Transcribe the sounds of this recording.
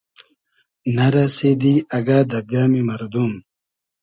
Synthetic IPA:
nɐɾased̪iːɐɡaːd̪ɐbjaːmimɐɾd̪um

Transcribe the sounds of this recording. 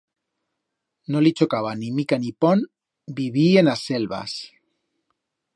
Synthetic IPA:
nolit͡ʃokaβ̞animikanipon | biβ̞ienase̞lβa̰s

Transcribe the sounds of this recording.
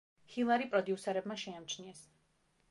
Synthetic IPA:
hilˠaɾipʼɾɔd̪iusɛɾɛbmaʃɛamt͡ʃʰniɛs

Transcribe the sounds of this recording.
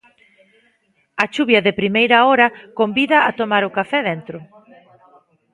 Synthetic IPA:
ɐt͡ʃuβjɐðɪpɾimejɾɐɔɾɐkombiðɐat̪omaɾʊkafɛðent̪ɾʊ

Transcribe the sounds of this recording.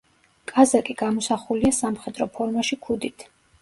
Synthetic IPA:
kʼazakʼiɡ̥amɔsaχuliasamχɛd̪ɾɔpʰɔɾmaʃikʰud̪it̪ʰ

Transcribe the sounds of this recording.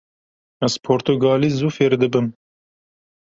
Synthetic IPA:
æz̥pʰoːɾt̪uɡɑːliːzuːfeːɾd̪ɨbɨm

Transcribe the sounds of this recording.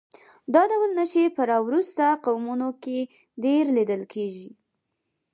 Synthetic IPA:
d̪ɑd̪awəlnəʃepəɾɑwɾust̪aqawmunoke | ɖeɾlid̪əlkʰeʒi

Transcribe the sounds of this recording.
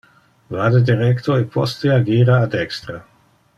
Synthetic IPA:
vaːd̪ed̪iɾɛkt̪oepʰost̪eaɡiːɾaːd̪ɛkst̪ɾa

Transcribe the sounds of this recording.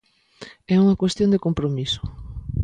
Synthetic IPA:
ɛuŋɐkwest̪jond̪ekompɾomiso̥

